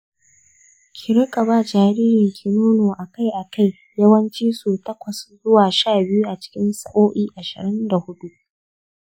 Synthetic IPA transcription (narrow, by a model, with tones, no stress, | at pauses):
kʲʰɪ˨ɾɪ˦kʼɐ˨baː˦˨d͡ʒaː˨ɾiː˦ɾɪ˨ŋkʲʰiː˨nuː˦noː˨ʔa˨ka˦˨jʔa˨ka˦˨j | jɐ˦wɐ˦nt͡ʃiː˦su˨tɐ˦kʷɐ˨szʊ˦waː˨ʃaː˦˨bɪ˦ju˦ʔa˨t͡ʃɪ̥˦kʲɪ˦nsɐ˦ʔoː˦ʔiː˦ʔa˨ʃɪ̰˨ɾɪ˦nda˨hʊ˦ɗu˦ʔ